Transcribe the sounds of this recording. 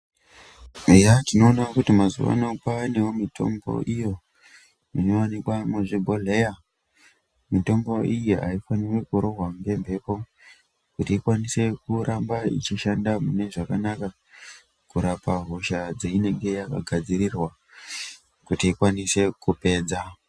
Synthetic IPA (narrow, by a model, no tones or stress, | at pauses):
ejatino̞ːnakutimazṵʋa̰nopaːnewomitʰo̞̰mbo̞̰ʔijo̞ | minoanikwamuʐibʱo̞le̞ja | mito̞mbo̞ʔijiʔaifanire̞kuɾo̞ɦwaŋɡe̞mbʱe̞po̞ | kutiːkwanise̞kurʔambaḭt͡ʃiʃandamune̞ʐakanaka | kuɾapaɦo̞ʃad͡zeine̞ŋɡe̞jaka̰ɡʱad͡ziɾirwa | kutiikwanise̞kupe̞ːd͡za